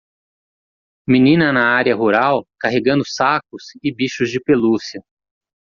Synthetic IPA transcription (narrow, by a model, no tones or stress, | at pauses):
mĩnĩnɐnɐaɾiɐɦuɾawkaɦeɡɐ̃nd̪ʊsak̚ʊsɪbiʃʊzd͡ʒɪpelusiɐ